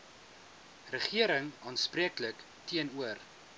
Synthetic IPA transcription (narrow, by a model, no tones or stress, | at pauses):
rəχiəɾəŋɑːnspriəklək | tiənuər